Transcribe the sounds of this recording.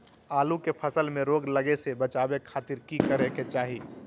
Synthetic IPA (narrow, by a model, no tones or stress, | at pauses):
aːlukepʰəsəlmẽɾoːɡləɡesebət͡ʃaːbekʰaːt̪ɪɾkikəɾeket͡ʃaːɦi